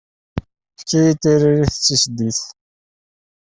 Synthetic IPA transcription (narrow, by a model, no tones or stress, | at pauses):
kːijit̪ːiɾiɾiθət͡sːisd̪iθ